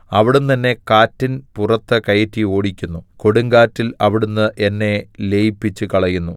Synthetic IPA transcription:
ɐʋiɽunt̪ɐnːe̞kaːtːinpurɐt̪ːɨkɐjɐtːio̞ːɽikʲːunːuko̞ɽuŋɡaːtːilɐʋiɽunːɨʔenːe̞lejipːit͡ɕːukɐɭɐjunːu

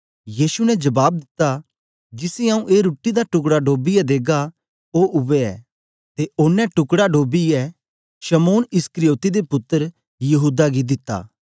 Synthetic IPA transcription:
jiːsunɛd͡ʒɐbaːb̚d̪ɪt̪ːa | d͡ʒɪsĩaːũʔeːɾuːʈːid̪aʈʊk̬ɽaɖoːbijɛd̪eːɡa | oʔʊʋɛɛ̰ː | t̪eʊːnːɛ̃ʈʊkɽaɖoːbiɛ | ʃɐmoːnɪskəɾijoːt̪id̪epʊt̪ːəɾ | jɐɦuːd̪aɡid̪ɪt̪ːa̰ː

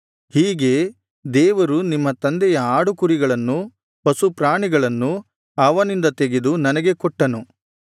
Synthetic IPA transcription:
hiːɡe̞ | d̪ɛːʋɐɾunimːɐt̪ɐnd̪ɛjɐaːɽukuɾiɡɐɭɐnːu | pɐsupɾaːɳiɡɐɭɐnːu | ɐʋɐnind̪ɐt̪e̞ɡed̪unɐnɐɡe̞kɔʈːɐnu

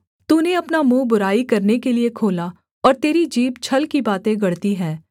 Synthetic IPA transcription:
t̪uːneɐpnamũːbʊɾaːikɐɾnekeliekʰoːla | ɔːɾt̪eːɾid͡ʒiːbt͡ʃʰɐlkibaːt̪ẽɡɐɽt̪iɦɛ̃ː

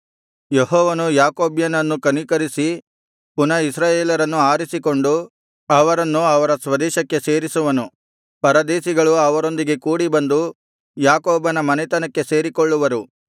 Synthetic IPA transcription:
jeɦɔːʋɐnujaːkoːbjɐnɐnːukɐnikɐɾisi | punɐisɾaːjeːlɐɾɐnːuaːɾisiko̞ɳɖu | ɐʋɐɾɐnːuɐʋɐɾɐsʋɐd̪ɛːʃɐkːe̞se̞ːɾisuʋɐnu | pɐɾɐd̪eːsiɡɐɭuɐʋɐɾo̞nd̪iɡe̞kuːɽibɐnd̪u | jaːkoːbɐnɐmɐnɛt̪ɐnɐkːe̞se̞ːɾikoɭːuʋɐɾu

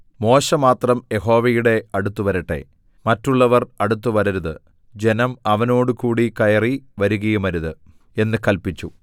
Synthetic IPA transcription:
mo̞ːɕɐmaːt̪rɐmje̞ɦo̞ːʋɐjuɽe̞ɐɽut̪ːuʋɐɾiʈːe̞̰ | mɐtːuɭːɐʋɐrɐɽut̪̬ːuʋɐɾɐɾuðɨ | d͡ʑe̞nɐmɐʋɐno̞ːɽukuːɽikɐjɐriʋɐɾuɣɐjumɐɾuðɨ | e̞nːɨkɐlpit͡ɕːu

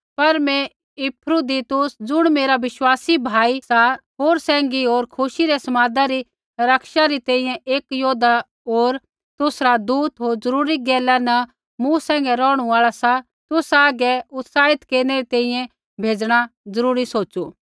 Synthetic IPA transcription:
pɐɾmɛ̃ | ɪpʰɾud̪it̪ʊsd͡zʊɽ̃meːɾaʋɪʃwaːsibʱaːisaɦoːɾsɛ̃ːŋɡioːɾkʰʊʃiɾɛsɐmaːd̪aɾi | ɾɐkʃaɾit̪ɛ̃ːĩjɛ̃ʔeːkjoːd̪a | oːɾ | t̪ʊsɾad̪uːt̪ɦoːɾzɐɾuːɾiɡɛːlanɐ | mũsɛ̃ːŋɡɛɾɔːɽ̃uaːɭasa | t̪ʊsaːɡɛʊt̪saːɦɪt̪keːɾnɛɾit̪ɛ̃ːĩjɛ̃ | bʱeːd͡zɽ̃ad͡zɐɾuːɾisoːtːt͡ʃu

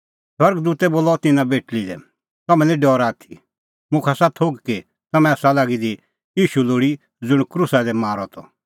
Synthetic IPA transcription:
swɐɾɡd̪uːt̪ɛboːlɔt̪ɪnãbeːʈlid̪ɛ̰ | t̪ɐmɛ̃lĩɖɔːɾaːt̪ʰi̥ | mʊ̃kʰasat̪ʰoɡki | t̪ɐmɛ̃asalaːɡid̪i | jiːʃuloːɽi | d͡zʊɽ̃kɾʊsad̪ɛmaːɾɔt̪ʰɔ̰

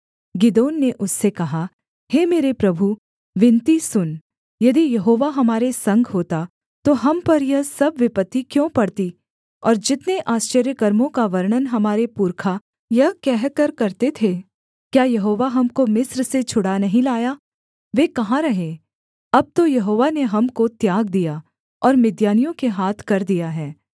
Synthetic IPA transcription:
ɡɪd̪oːnːeʔʊsːekɐɦa | heːmeːɾepɾɐbʱu | ʋɪ̃nt̪isʊn | jɐd̪ijɐɦoːʋaɦɐmaːɾesɐ̃ŋɡʱɦoːt̪a | t̪oɦɐmpɐɾjɐɦsɐbʋɪpət̪ːikjõpɐɽt̪i | ɔːɾd͡ʒɪt̪neʔaːst͡ʃəɾjəkəɾmõkaʋɐɾɳ̃ənɦɐmaːɾepuːɾkʰa | jɐɦkɛɦkəɾkɐɾt̪et̪ʰe | kjaːjɐɦoːʋaɦɐmkomɪsɾset͡ʃʰʊɽanɐɦĩlaːjaː | ʋeːkɐɦãɾɐɦẽ | ɐb̚t̪ojɐɦoːʋaneɦɐmkot̪jaːɡ̚d̪ija | ɔːɾmɪd̪jaːnijõkeɦaːt̪ʰkɐɾd̪ijaɦɛː

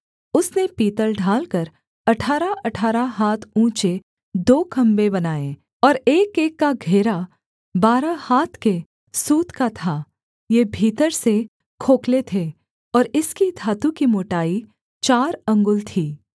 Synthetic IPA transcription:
ʊsnepiːt̪əlɖʱaːlkəɾ | ɐʈʰaːɾaʔɐʈʰaːɾaɦaːt̪ʰũːt͡ʃe | d̪oːkɐ̃mbebɐnaːẽ | ɔːɾeːkeːkːaɡʱeːɾa | baːɾahaːt̪ʰke | suːt̪kat̪ʰaː | jeːbʱiːt̪əɾse | kʰoːklet̪ʰe | ɔːɾɪskid̪ʱaːt̪ũkimoːʈaːi | t͡ʃaːɾɐ̃ŋɡʊlt̪ʰiː

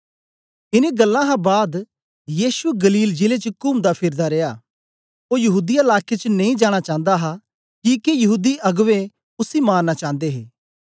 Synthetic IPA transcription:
ɪneɡɐlːãɦãbaːd̪ | jiːʃueɡɐliːld͡ʒɪlet͡ʃəkʊmd̪apʰɪɾd̪aɾeːjaː | oːjɐɦuːd̪iaɐlaːkʰet͡ʃnɐ̃ĩd͡ʒaːɽ̃at͡ʃãːnd̪aɦa | kiːkejɐɦuːd̪iʔɐɡʋe | ʊsimaːɾnat͡ʃãːnd̪eɦeː

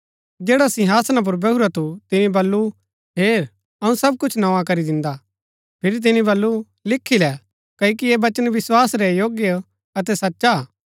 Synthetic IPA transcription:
d͡ʒɛːɽasɪ̃ɦaːsnãp̬ʊɾbɐɦuɾat̪ut̪ɪnĩbɐlːu | ɦeːɾ | ɐũsɐb̚kʊt͡ʃʰnɐ̃ʋãkɐɾid̪ɪ̃nd̪a | pʰɪɾit̪̬ɪnĩbɐlːu | lɪkʰːilɛ | kɐikiebɐt͡ʃənʋɪswaːsɾɛjoːɡjə | ɐt̪̬ɛsɐtːʃa

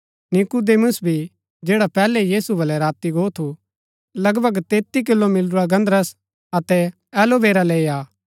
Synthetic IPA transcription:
nɪkud̪eːmʊsbʱi | d͡ʒeːɽapɛːlɛjiːsubʱɐlɛɾaːt̪iɡoːt̪ʰu | lɐɡbʱəɡt̪eːt̪ːik̬ɪlːomɪlɾuaɡɐ̃nd̪ɾəs | ɐt̪ɛ | ɛːlobeːɾaleːiaː

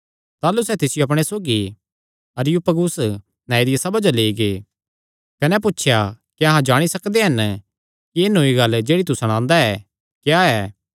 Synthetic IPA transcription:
t̪aːlusɛt̪ɪsɪjoɐp̬ɽ̃esoːɡi | ɐɾɪjupɐɡus | naed̪ijɐsɐbɐd͡ʒaleːiɡe | kɐnɛp̬ʊtːʃʰjakiɐɦãd͡ʒaːɽ̃isɐkd̪eɦɐn | kieːnoːiɡɐld͡ʒeːɽit̪usɐɽ̃ãːnd̪aɛː | kjaɛː

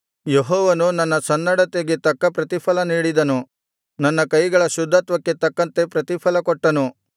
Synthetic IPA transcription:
jeɦɔːʋɐnunɐnːɐsɐnːɐɽɐt̪eɡet̪ɐkːɐpɾɐt̪ipʰɐlɐniːɽid̪ɐnu | nɐnːɐkɐjɡɐɭɐʃud̪ʱːaːt̪ʋɐkːe̞t̪ɐkːɐnt̪e̞pɾɐt̪ipʰɐlɐkɔʈːɐnu

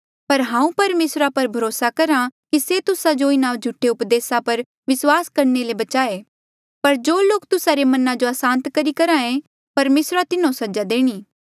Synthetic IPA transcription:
pɐɾɦãːũpɐɾmeːsɾapɐɾbʱɐɾoːsakɐɾãkiset̪ʊsad͡ʒoɪnãːd͡ʒʱʊʈʰːeʊpd̪eːsapɐɾ | ʋɪswaːskɐɾnelebɐt͡ʃaːeː | pɐɾd͡ʒoːloːk̚t̪ʊsaɾemɐnãd͡ʒoasãːnt̪kɐɾikɐɾãẽ | pɐɾmeːsɾat̪ɪnõsɐd͡ʒad̪eːɽ̃iː

